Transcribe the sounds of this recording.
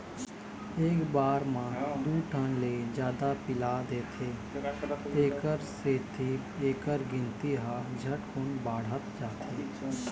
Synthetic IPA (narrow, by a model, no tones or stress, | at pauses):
eːkbaːɾmãːd̪uːʈʰənleːd͡ʒjaːd̪apɪlaːd̪eːt̪ʰeː | eːkəɾseːt̪ʰiːpeːkəɾɡɪ̃nt̪iɦaːd͡ʒʱəʈkʊnbaːɽ̤ət̪d͡ʒaːt̪ʰeː